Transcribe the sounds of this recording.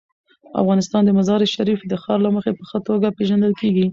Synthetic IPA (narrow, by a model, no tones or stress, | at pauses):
a̰fɣɑnɪst̪ɑnd̪əmazɑɾɪʃaɾifd̪əxɑɾlaməxepəxət̪oɡapeʒand̪əlkeɡi